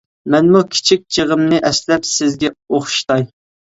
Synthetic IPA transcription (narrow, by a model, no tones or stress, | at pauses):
mɛnmukʲʰi̥t͡ʃʰik̚ʲd͡ʒʰəʁəmnɨʔɛslɛpsɪzɡʲɛoχʃt̪ɑj